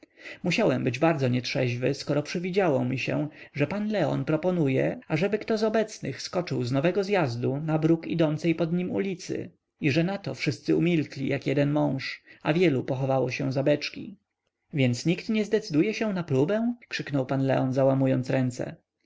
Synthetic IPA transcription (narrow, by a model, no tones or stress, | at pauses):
muɕawɛmbɘd͡ʑbaɾd̪zɔɲɛt̪ʂɛʑvɘskɔɾɔpʂɘvʲid͡ʑawɔmʲiɕɛ̰ʐɛpanlɛɔ̰npɾɔpɔnujɛaʐɛbɘkt̪ɔzɔbɛt̪snɘ̰xskɔt͡ʂɘwznɔvɛɡɔzjazd̪unabɾukid̪ɔnt̪sɛjpɔd̪ɲimṵlʲit̪sɘ̰ | iʐɛnat̪ɔfʂɘst̪sɘumʲilklʲijakjɛd̪ɛnmɔ̃w̃ʂa̰vʲjɛlupɔxɔvawɔɕɛ̃zabɛt͡ʂkʲḭ | vʲjɛnt̪sɲikt̪ɲɛzd̪ɛt̪sɘd̪ujɛɕɛ̃naplubɛ̃kʂɘknɔwpanlɛ̰ɔnzawamujɔnt̪sɾɛnt̪sɛ̰